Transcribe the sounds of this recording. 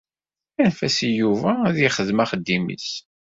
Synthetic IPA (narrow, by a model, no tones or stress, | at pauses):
ænfæsijuvæðjiχəðmæχəd̪ːimḭs